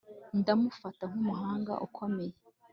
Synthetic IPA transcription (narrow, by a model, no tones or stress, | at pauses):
ndamufataŋ̥umuɦaːŋɡa̰ʔukʰo̞me̞je